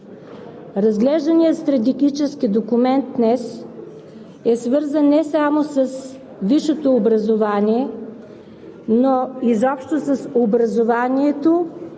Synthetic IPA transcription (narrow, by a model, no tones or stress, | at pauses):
ɾɐzɡlɛʒd̪ənijət̪st̪ɾɐt̪̬ɛɡit͡ʃɛskid̪okʊmɛnd̪̚d̪nɛs | ɛsvɤɾzənːɛsamosəs | viʃot̪oːbɾɐzovaniɛ | noizɔpʃt̪osəsobɾɐzovaniɛt̪o